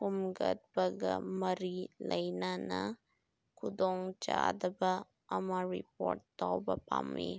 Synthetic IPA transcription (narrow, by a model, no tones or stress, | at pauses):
kumɡɐt̪̚bɐɡɐmɐɾilɐjnanɐ | kud̪oŋt͡ʃa̰d̪ɐbɐ | ɐmaɾipoːɾʈ̚t̪awbɐpa̰mḭ